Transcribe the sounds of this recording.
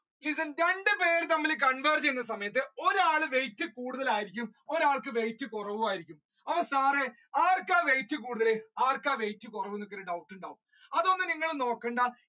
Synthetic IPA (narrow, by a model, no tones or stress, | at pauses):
lisɐnɾe̞ɳɖɨpe̞ːɾɨt̪ɐmːɐlek̬ɐɳʋeːrd͡ʑejunːɐs̬ɐmɐjɐt̪̬ːɨo̞ɾaːɭɨʋe̞jtːɨkuːɽuðɐlaːjiɾikʲːumo̞ɾaːɭkɨʋe̞jtːɨkurɐʋumaːjiɾikʲːum | ɐʋɐsaːre | aːrkaːʋe̞jtːɨkuːɽuðɐleaːrkaːʋejtːɨkurɐʋuenːokːeɾɨɖɐwʈːuɳɖaːʋum | ɐðonːɨniŋːɐɭno̞ːkːeːɳɖɐ